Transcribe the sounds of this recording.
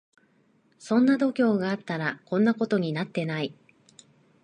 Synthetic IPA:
sõ̞nːad̪o̞kʲo̞ːɡaːt̪aɾakõ̞nːako̞t̪o̞ɲ̟inat̪ːe̞nai

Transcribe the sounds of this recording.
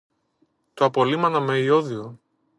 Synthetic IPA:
t̪oɐpo̞limɐnɐmeio̞ðio

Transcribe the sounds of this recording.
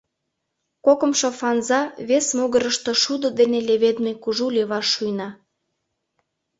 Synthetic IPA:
kokə̆mʃŏfɑnzɑβesmuɣə̆ɾə̆ʃt̪ŏʃud̪ŏd̪eneleβed̪mekuʒulʲeβɑʃːujnɑ

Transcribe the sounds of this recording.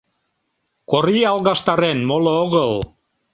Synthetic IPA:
koɾiɑlˠɣɑʃt̪ɑɾenmolooɣəl

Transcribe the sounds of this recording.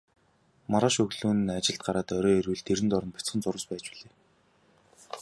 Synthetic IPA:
maɾaːʃɵɣɮuːnat͡ɕɪ̆ɬt̪̚ɢaɾaːt̪ɔɾɔːerwɘ̆ɮt̪eɾɘ̆nt̪ɔɾɞ̆npʊ̥t͡sχə̆nt͡sʊɾə̆spæːt͡ɕpiɮeː

